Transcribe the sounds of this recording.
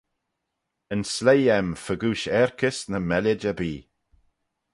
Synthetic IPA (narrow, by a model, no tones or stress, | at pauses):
ənslejɛmfəɡuːʃɛɹkʰɪsnəmɛlɪd͡ʒəbiː